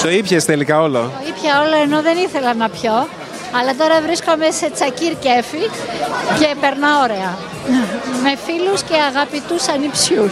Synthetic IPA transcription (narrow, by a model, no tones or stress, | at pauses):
t̪o̞ipçest̪elikɐo̞lo̰oipçɐo̞lo̞eno̞ðe̞niθe̞lɐnɐpço̞ | ɐlɐt̪̬o̞ɾɐvɾiskome̞se̞t͡sɐciɾce̞fi | ce̞pe̞ɾnɐo̞ɾe̞ɐ | me̞filusce̞ɐɣɐpit̪usɐnipsus